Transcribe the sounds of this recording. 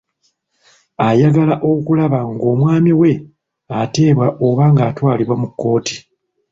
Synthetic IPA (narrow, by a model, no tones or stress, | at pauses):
ajaɡalaʔokulaβaŋɡo̞ːmwaːmiwe̞ | ate̞ːβwaʔoβaŋɡaːtwaːliβwamukːo̞ːti̥